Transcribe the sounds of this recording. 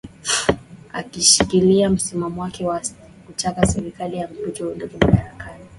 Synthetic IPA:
a̰kiʃikiliam̩simamɔwakɛwa | kut͡ʃakasɛɾikalijam̩pud͡ʒɔunduɡumaɗaɾakani

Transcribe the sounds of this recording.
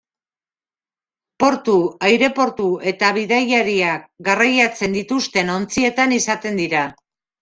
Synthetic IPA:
po̞ɾt̪uajɾe̞po̞ɾt̪ue̞t̪aβ̞iðajaɾiakɡarajat͡se̞nd̪it̪ust̪e̞no̞nt͡sie̞t̪anisat̪e̞nd̪iɾa

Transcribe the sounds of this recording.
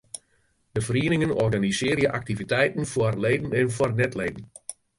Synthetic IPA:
d̥əfəriənɪŋənɔrɡanisɪːrjəʔak̚tivitɛjtən̩fwarleːdən̩ɛnfwɔrnɛtleːdən̩

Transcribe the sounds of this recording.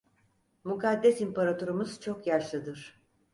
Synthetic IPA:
mukad̪ːɛsimpaɾat̪ʰoɾumɯz̥t͡ʃʰo̞kjaʃlˠɯd̪ɯɾ̥

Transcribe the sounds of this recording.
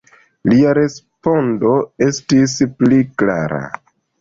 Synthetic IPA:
liaɾe̞spo̞ndo̞e̞stisplikla̰ɾa̰

